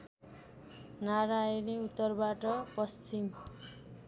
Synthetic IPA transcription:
naɾajneut̪ːʌrbaʈʌpʌst͡sim

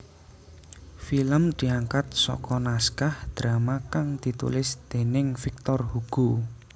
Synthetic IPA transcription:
filəmd̪̥i̤aŋkat̪̚sɔ̰kɔnaskahd̪̥ɾamakaŋd̪̥i̤t̪ṵlɪsd̪̥e̤nɪŋfik̚t̪ɔrhuɡ̥u

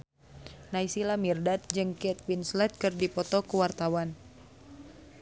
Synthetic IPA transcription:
naisilamirdat̪̚d͡ʒɨŋkɛt̪̚winslɛt̪̚kɨrdipɔt̪ɔkəwart̪awan

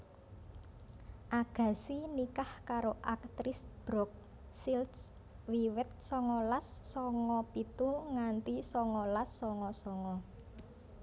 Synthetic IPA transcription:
ʔaɡ̥ä̤sinikahkaɾoʔak̚t̪ɾɪsb̥ɾɔk̚ | sils | wiwɪt̪̚sɔŋɔlasːɔŋɔpit̪uŋant̪isɔŋɔlasːɔŋɔsɔŋɔ

